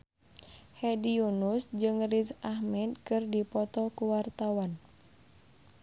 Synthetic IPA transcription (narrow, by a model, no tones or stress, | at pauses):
hɛdiunusd͡ʒɨŋrisahmɛd̪̚kɨrdipɔt̪ɔkuwart̪awan